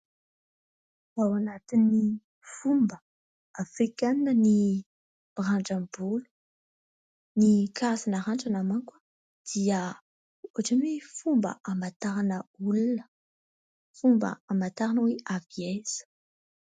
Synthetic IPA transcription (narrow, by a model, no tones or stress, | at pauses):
awanat̪inːi | fumbə | afikannəni | b̥raɳʈ͡ʂambulu̥ | nikʰazanaɾaɳʈ͡ʂanamaŋkḁ | d̪̥iə | oʈ͡ʂamefumbə̰ʔamat̪aɾanəulunə̥ | fumbə̰amat̪aɾanəweʔaviez̥ə̥